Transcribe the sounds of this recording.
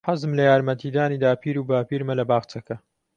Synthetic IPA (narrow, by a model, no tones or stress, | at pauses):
ħɐzɨmlɐjaːɾmɐt̪iːd̪aːniːd̪aːpʰiːɾuːbaːpiːɾmɐlɐbaːɣt͡sɐkɐ